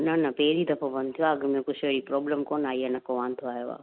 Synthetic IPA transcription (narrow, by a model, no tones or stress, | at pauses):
nɐnɐpeːɾiːd̪ɐpʰõbɐnt̪ʰijoɐɡəmẽkʊt͡ʃʰeɽipɾɔːbləmkoːnaːienɐkːoʋaːnt̪ʰoaːjoʋa̰ː